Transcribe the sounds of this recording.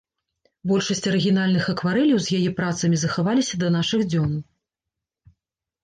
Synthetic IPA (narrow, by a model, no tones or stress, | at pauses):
bɔlʲʂɐsʲt͡sʲɐɾɨɣʲinalʲnɨxɐkvaɾɛlʲjɐwzʲjajɛpɾat̪sɐmʲizɐxavalʲisʲɐd̪ɐnaʂɨɣd͡zʲɔn